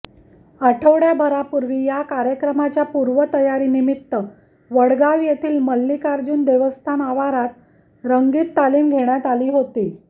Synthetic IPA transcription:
aʈʰəʋɽjabʱəɾapuɾʋiːjakaɾjəkɾəmat͡ɕjapuɾʋət̪əjaɾiːnimit̪ːə | ʋəɽɡaʋjet̪ʰiːlməlːiːkaɾd͡ʑuːnd̪eʋəst̪ʰanaʋaɾat̪ | ɾəŋɡiːt̪ːaliːmɡʱeɳjat̪aliːɦot̪iː

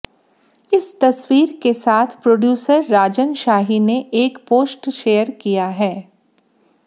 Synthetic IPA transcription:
ɪst̪ɐswiːɾkesaːt̪ʰpɾoːɖjuːsəɾːaːd͡ʒənʃaːɦineʔeːkpoːsʈʃeːəɾkijaɦɛː

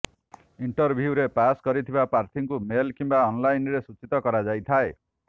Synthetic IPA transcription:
iɳʈɔɾbʱjuɾepaskɔɾit̪ʰibapaɾt̪ʰiŋkumelkimbaɔnlajnɾesut͡ʃit̪ɔkɔɾad͡ʒajt̪ʰae

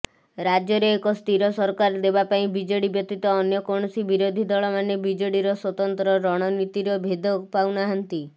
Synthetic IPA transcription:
ɾad͡ʒjɔɾeːkɔst̪ʰiɾɔsɔɾkaɾd̪ebapaĩbid͡ʒoɽibjɔt̪ːit̪ɔːnjɔkɔɳ̃ɔsibiɾod̪ʱid̪ɔɭɔmanebid͡ʒoɽiɾɔswɔt̪ɔnt̪ɾɔɾɔɽ̃ɔnit̪iɾɔbʱed̪ʱɔpawnaɦant̪i

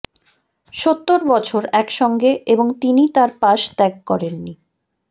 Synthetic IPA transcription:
ʃot̪ːoɾbɔt͡ɕʰoɾɛkʃɔŋɡeeboŋt̪init̪aɾpaʃt̪ɛk̚kɔɾenːi

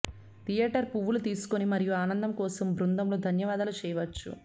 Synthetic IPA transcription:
t̪ijɛːʈɐɾpuʋːulut̪iːsu̥konimɐɾijuaːnɐnd̪ɐmkɔːsɐmbɾund̪ɐmloːd̪ʱɐnjɐʋaːd̪ɐlut͡ʃɛːjɐʋɐt͡ʃːṵ

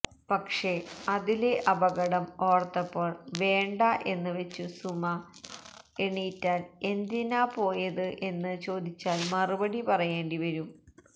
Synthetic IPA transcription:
pɐkʂe̞ɐðile̞ʔɐbɐɣɐɽɐmo̞ːrt̪ːɐpːoːɭʋe̞ːɳɖɐʔe̞nːɨʋet͡ɕːusumɐ | eɳijtːaːne̞nd̪inaːpo̞ːjɐðɨʔe̞nːɨt͡ɕo̞ːd̪it͡ɕːaːlmɐrɨbɐɽipɐrɐjeːɳɖiʋɐɾum

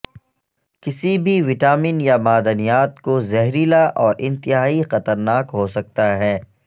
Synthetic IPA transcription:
kɪsibʱiʋɪʈaːmiːnjamaːd̪ənijaːt̪kozɛɦɾiːlaʔɔːɾʔɪ̃nt̪ɪɦaːixɐt̪əɾnaːkɦosɐk̚t̪aɦɛː

